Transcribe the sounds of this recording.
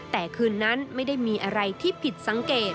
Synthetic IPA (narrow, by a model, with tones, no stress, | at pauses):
t̪ɛː˨˩kʰɯː˧nːa˦˥nma˥˩jda˥˩jmiː˧ʔa˧ɾa˧jt̪ʰiː˥˩pʰi˨˩t̪̚sa˩˦ŋkeː˨˩t̪̚